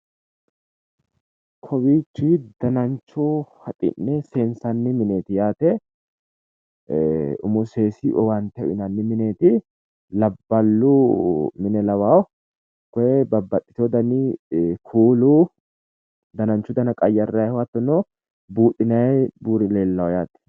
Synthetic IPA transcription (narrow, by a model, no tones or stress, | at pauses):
kʰɔwiːt͡ʃːid̪ɐnɐnt͡ʃːʊhɐt̪ʼɪ̰nːɛseːnsɐnːɪmɪneːt̪ɪjaːt̪ɛ | ʊ̰mʊse̞ːsɪʔɔwant̪ɛʊʔɪnɐnːɪmɪne̞ːt̪ɪ | lɐbːɐlːumɪnɛlɐwaw | kɔjɛbɐbːɐt̪ʼːɪt̪ɔd̪ɐnikʰuːlu | d̪ɐnɐnt͡ʃːʊd̪ɐnɐkʼɐjːɐrːɐjɛhwɐt̪ːɔno | buːᶑɪnɐjɛbuːɾɪleːlːɐwjaːt̪ɛ̥